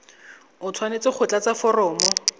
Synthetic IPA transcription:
ʊt͡sʰwanet͡sɪχʰʊt͡ɬat͡safɔrɔːmɔ

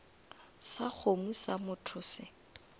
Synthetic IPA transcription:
sak͡xʰomusamʊtʰʊsɪ

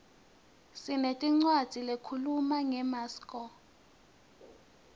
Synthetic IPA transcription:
sinetʼiŋ͡ǀwad̥z̥ʱilekʰulumaŋɛmaːskʼɔ

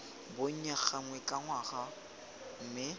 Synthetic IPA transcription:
bʊɲ̩ɲak͡xʰaŋwɛkʼaŋwaɣa | m̩mɪ

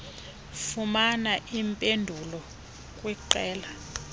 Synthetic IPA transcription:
fumanaʔimpʼendʱulɔ | kʼwiǃɛːla

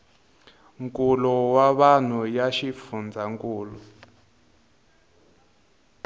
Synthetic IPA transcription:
ŋkʼulɔwaβan̤ujaʃifund͡zʱaŋkuːlɔ

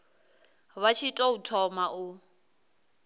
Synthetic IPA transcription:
βat͡ʃʰitʼɔutʰɔmaʔu

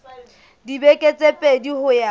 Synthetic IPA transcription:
dibekʼet͡sʼepʼedihʊja

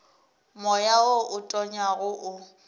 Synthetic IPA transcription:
mɔjaoʔʊtʼɔɲaɣʊʔʊ

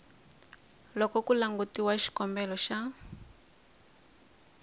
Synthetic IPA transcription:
lɔkɔkulaŋɡutiwaʃi̥kɔmbɛlɔʃa

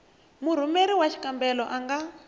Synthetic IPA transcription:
muɾ̤umeɾiwaʃʰi̥kambɛlɔʔaŋɡa

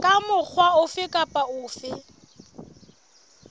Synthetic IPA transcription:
kʼamʊk͡xʰwaʊfɪkʼapʼaʊːfɪ

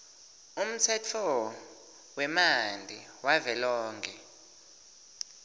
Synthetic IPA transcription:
um̩t͡sʰɛt͡fʰɔ | wɛmand͡ɮʱiwavɛlɔːŋkʰɛ

